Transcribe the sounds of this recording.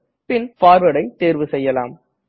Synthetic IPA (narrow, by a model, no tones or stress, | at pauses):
pɪnfaːɾʋɐɽɐɪt̪ːeːɾʋɯsɛjːɐla̰ːm